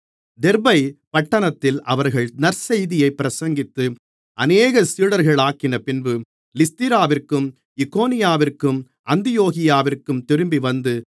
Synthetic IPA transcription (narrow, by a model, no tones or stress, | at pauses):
d̪ɛɾbɐɪpɐʈːɐnɐt̪ːɪlʔɐʋɐɾɣɐɭnɐɾsɐjðɪjɐɪpːɪɾɐsɐŋɡɪt̪ːɯ | ʔɐneːɣɐsiːɽɐɾɣɐɭaːkɪnɐpɪnbɯ | lɪst̪ɪɾaːʋɪrkɯm | ɪkːoːnɪjaːʋɪrkɯm | ʔɐnd̪ɪjoːɣɪjaːʋɪrkɯmt̪ɪɾɯmbiʋɐnd̪ɯ